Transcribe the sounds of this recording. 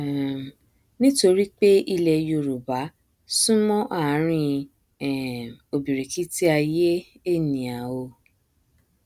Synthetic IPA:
nĩ˦to˧ɾi˦k͡pe˦ʔi˧lɛ˧jo˧ɾu˨ba˨˦ | sũ˦mɔ̃˦ʔa˦˨˦ɾ̃ĩ˧ | ɛ˨o˨bi˨ɾi˨ki˦ti˦a˧je˦e˦˨nĩ˨a˨o˧

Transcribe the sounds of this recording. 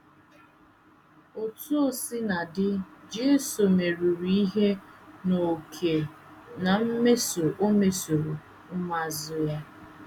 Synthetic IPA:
o˨tu˦o˦sɪ˦na˨dɪ˦d͡ʒe˦e˦so˨me˨ɾu˨ɾi˦i˦ɦe˦no˨kʰe˨ | na˨m̩˦me˦so˨ʔo˦me˨so˨ɾo˨ | m̩˦ma˦zʊ˦ja˦

